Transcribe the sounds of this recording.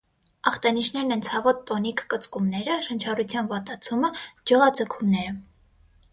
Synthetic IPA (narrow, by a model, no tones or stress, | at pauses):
ɑχt̪ɑniʃnɛɾnɛnt͡sʰɑvɔt̪ːɔnikkət͡skumnɛɾəɾənt͡ʃʰɑrut͡sʰjɑnvɑt̪ɑt͡sʰuməd͡ʒəʁɑd͡zəkʰumnɛɾə